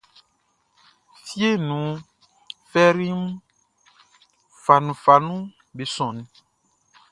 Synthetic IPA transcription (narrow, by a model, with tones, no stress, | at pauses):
fi˦e˦nũ˨˦ | fɛ˦ɾi˦m˦ | fa˨nũ˨fa˨nũ˦ | be˨sɔ̃˨nĩ˨